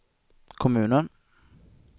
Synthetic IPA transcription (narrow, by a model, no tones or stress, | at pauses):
kʰɔmʉ̟ːnən